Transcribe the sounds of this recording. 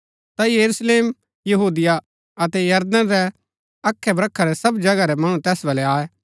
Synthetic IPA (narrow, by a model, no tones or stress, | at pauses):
t̪ajɐɾusleːm | jɐɦuːd̪ɪja | ɐt̪ɛjɐɾd̪əãɾɛ | ɐkʰːɛbɾɐkʰːaɾɛsɐbd͡ʒɐɡaɾɛmɐɽ̃ũt̪ɛːsbɐlɛaːɛː